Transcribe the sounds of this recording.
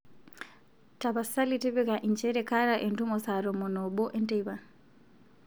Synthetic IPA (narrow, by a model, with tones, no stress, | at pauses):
ta˨βa˨sa˦li˦tɛ˦βɛka˨ʔind͡ʒɛ˦ɾeka˦ɾaʔe˨ndu˦mɔsa˨ɾɔ˨mɔ˨nɔ˨ɓɔ˦ʔe˦nta˦iβa˨